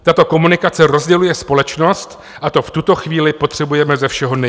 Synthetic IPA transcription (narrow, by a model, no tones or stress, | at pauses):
t̪at̪o̞ko̞munɪkat͡sɛɾo̞zɟɛlujɛspo̞lɛt͡ʃno̞st̪ | ʔat̪o̞ft̪ut̪o̞xviːlɪpo̞t̪r̝̥ɛbujɛmɛzɛfʃɛɦo̞nɛ